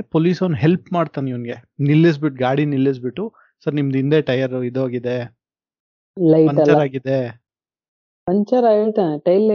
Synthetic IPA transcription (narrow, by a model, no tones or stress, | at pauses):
poːliːsɐnɦelpmaːɽt̪aːniʋɐnɡenilːis̬biʈ̚ɡaːɽinilːis̬biʈːu | sɐɾnimɐd̪ind̪eːʈɐjɐɾid̪uaːɡid̪e̞ | lɐjɐɲɐt͡ʃɐɾaːɡid̪e | pɐɲt͡ʃɐɾaeɭt̪aneʈɐjlː